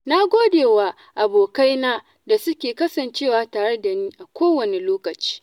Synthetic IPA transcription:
na˦ɡʷoː˦deː˨waː˨ | ʔa˨boː˨ka˦jnaː˦ | da˨sʊ˦kʲeː˨kɐ˦sɐ˨nt͡ʃeː˦˨waː˨taː˨ɽɛ˦da˨niː˦ʔa˨kʷoː˦wɐ˨ne˨loː˦kɐ˨t͡ʃi̥ː˦

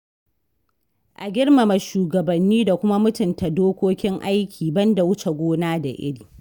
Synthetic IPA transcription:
ʔa˨ɡʲɪ˦ɽma˨mɐ˨ʃuː˨ɡɐ˨bɐ˨nːiː˦da˨kʷʊ˦ma˦mʊ˦tʊ˨nta˨doː˦kʷoː˦kʲɪ˦ŋʔa˦jkʲʰiː˨bɐ˦nda˨wʊ˦t͡ʃe˨ɡʷoː˦naː˦da˨ʔɪ̰˦ɽiː˨

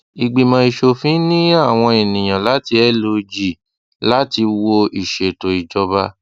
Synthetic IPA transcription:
i˨ɡ͡bi˨mã˧i˧ʃo˧fĩ˨˦nĩ˦a˦˨w̃ɔ̃˧i˨nĩ˨j̃ã˨la˨˦ti˧ɛ˦lo˧d͡ʒi˨ | la˦ti˧wo˧i˨ʃe˨to˨i˨d͡ʒɔ˧ba˧

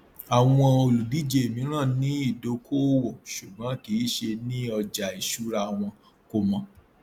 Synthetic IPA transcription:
a˨w̃ɔ̃˧o˧lu˨di˨˦d͡ʒe˨e˨mĩ˨˧˦ɾ̃ã˦˨nĩ˨˦i˦˨do˧˦kʰo˦wɔ˨ʃu˨ɡ͡bã˨˦ki˨˦ʃe˧nĩ˦ɔ˧d͡ʒa˨i˨ʃu˨˦ɾa˦˧a˨w̃ɔ̃˧ | ko˧mɔ̃˧

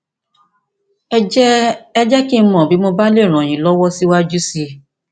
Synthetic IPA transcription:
ɛ˦d͡ʒɛ˦ɛ˦d͡ʒɛ˦ki˦n̩˦mɔ̃˨bi˨˦mõ˧ba˦le˦˨ɾ̃ɔ̃˨j̃ĩ˨˦lɔ˦wɔ˦si˦wa˦d͡ʒu˦si˧

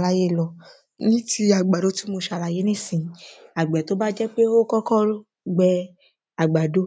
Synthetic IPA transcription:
la˧je˦˨lɔ˨ | nĩ˦ti˧a˨ɡ͡ba˨do˨˦ti˦mo˧ʃa˨la˨je˦nẽ˦sĩ˨a˨ɡ͡bɛ˨t̪o˨˦ba˦d͡ʒɛ˦k͡pe˦wo˦kɔ˦kɔ˦lo˦ | ɡ͡bɛ˧ | a˨ɡ͡ba˨do˦

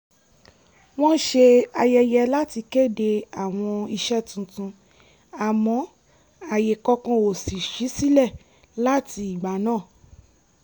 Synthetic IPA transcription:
w̃ɔ̃˦n̩˦ʃe˧a˧jɛ˧jɛ˧la˦ti˧ke˦˨de˧a˨w̃ɔ̃˧i˧ʃɛ˦tũ˧tũ˧ | a˨mɔ̃˨˧˦ | a˨je˨kɔ˧kɔ̃˧o˨si˨ʃi˨˦si˦lɛ˦˨ | la˦ti˧i˨ɡ͡ba˨˦nãː˦˨

